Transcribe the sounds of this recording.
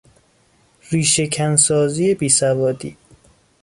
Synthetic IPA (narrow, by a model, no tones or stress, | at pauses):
ɾiːʃe̞kʰænsɒːziːje̞biːsævɒːd̪ḭː